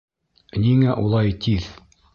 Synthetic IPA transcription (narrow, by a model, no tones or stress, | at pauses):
niŋæʔulˠɑjt̪ið